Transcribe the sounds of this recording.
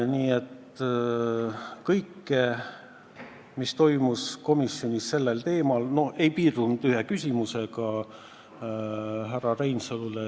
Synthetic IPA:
niːe̞t̪ | kɤjkːe | mist̪o̞jmusko̞misjo̞nʲisːe̞lːelt̪e̞ːmɑlno̞e̞jpiːrd̪̥und̪̥yɦekysʲimuseɡɑ | ɦærːɑrejnsɤlule

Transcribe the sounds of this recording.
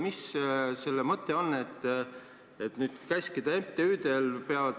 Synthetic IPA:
misse̞lːemɤt̪ːˑe̞o̞nːe̞t̪ːˑ | et̪nyːd̪̥kæsʲkid̪̥ɑemt̪ːeyːd̪̥e̞lpeɑvɑd̪̥

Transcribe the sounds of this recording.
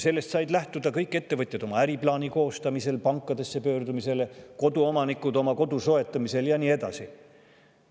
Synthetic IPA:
se̞lːe̞st̪sɑjd̪læht̪ud̪̥ɑkɤjkːˑe̞t̪ːe̞vɤt̪ʲˑjɑd̪o̞mɑæɾiplɑːniko̞ːst̪ɑmise̞lpɑŋkˑːɑd̪̥e̞sːe̞pø̞ːrd̪umise̞leko̞d̪uomɑnikːˑud̪o̞mɑko̞d̪uso̞e̞t̪ːˑɑmise̞ljɑniːe̞d̪̥ɑ̰si

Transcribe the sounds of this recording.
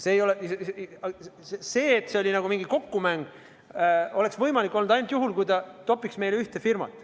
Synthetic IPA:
se̞ːjo̞le | ese̞ːet̪ːˑse̞o̞lʲinɑɡ̥umiŋɡiko̞kːumæŋɡ̥ | o̞le̞ksvɤjmɑlikːˑo̞lnud̪ɑjnut̪juɦulkujt̪ɑt̪o̞pːˑiksme̞jleyht̪efirmɑ̰t̪ːˑ

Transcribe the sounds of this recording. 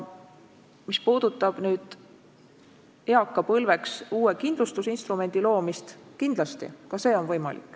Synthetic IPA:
mispuːd̪ut̪ːˑɑb̥nyːd̪̥ | eɑkːˑɑpɤlve̞ksuːekind̪lust̪usinst̪rume̞nʲd̪̥ilo̞ːmist̪kind̪̥lɑst̪ḭkɑse̞ːo̞nvɤjmɑ̰lḭkːˑ

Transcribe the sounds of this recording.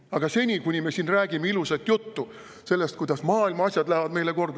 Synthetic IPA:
ɑɡ̥ɑse̞nʲikunʲimesiːnræːɡimeiluset̪ːjut̪ːu | se̞lːe̞st̪kujd̪ɑsmɑːilmɑɑsʲjɑd̪̥læhevɑd̪me̞jle̞ko̞rd̪

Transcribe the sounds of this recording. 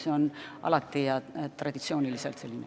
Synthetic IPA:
seonɑ̰lɑt̪ːˑijɑt̪rɑd̪̥it̪sio̞ːniliselt̪se̞lʲːinḛ

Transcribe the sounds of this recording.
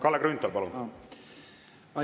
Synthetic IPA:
kɑlːekrynt̪ːˑolpɑlun | ɑ

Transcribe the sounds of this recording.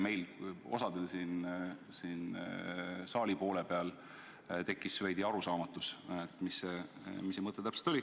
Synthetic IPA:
me̞jlo̞̰sɑd̪̥elsiːn | sin | sɑːlipo̞ːle̞pe̞ɑl | t̪e̞kːˑisvæjd̪iɑɾusɑːmɑt̪ːˑuset̪ːmise | misːemɤt̪ˑːet̪æpse̥t̪o̞li

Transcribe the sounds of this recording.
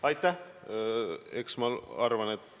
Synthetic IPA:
ɑjt̪ːˑæh | eksmɑɑɾvɑnet̪ː

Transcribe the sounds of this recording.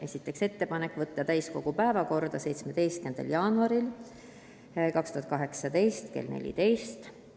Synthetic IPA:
e̞sʲit̪ːˑe̞kse̞t̪ːe̞pɑnekːˑvɤt̪ːɑt̪æjsko̞ɡ̥upæevɑko̞rd̪̥ɑse̞jt̪sme̞d̪̥e̞jst̪̚kend̪̥ɑ̰ljɑːnuɑɾil | kɑkst̪uhɑt̪̚kɑɦe̞ksɑd̪e̞jst̪kḛlnḛlʲḭt̪e̞jst̪

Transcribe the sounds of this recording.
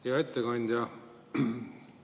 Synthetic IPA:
jɑet̪ʰːekɑnʲd̪ʲjɑ

